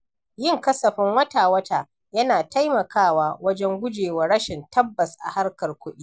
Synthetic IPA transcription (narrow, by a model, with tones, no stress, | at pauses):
jɪ˦ŋkɐ˦sɐ˨ɸɪ˦ŋwɐ˦taː˨wɐ˦taː˦˨ | jɐ˦naː˨ta˦jmɐ˨kʰaː˦˨waː˦wɐ˦d͡ʒɛ˦ŋɡʷʊ˦d͡ʒeː˨wɐ˨ɽɐ˦ʃɪ˨ntʰɐ˦bːɐ˨sʔa̰˨ha˦rkɐ˨rkʷʊ˦ɗiː˦